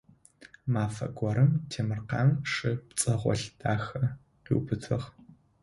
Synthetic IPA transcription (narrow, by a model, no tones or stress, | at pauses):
maːfɐ̰ɡʷɔɾɨmtʰeːmɨrqɑːmʂɨpt͡sʼɐʁʷɔ̰ɬd̥aːxɐ | qḭːwpʰɨtʰɨʁ